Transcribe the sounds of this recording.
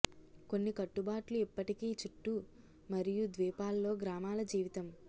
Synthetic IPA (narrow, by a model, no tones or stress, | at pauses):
ko̞nːikɐʈːubaːʈluipːɐʈikiːt͡ʃiʈːu | mɐɾijud̪ʋiːpaːlːo̞ːɡɾaːmaːlɐd͡ʒiːʋit̪ɐm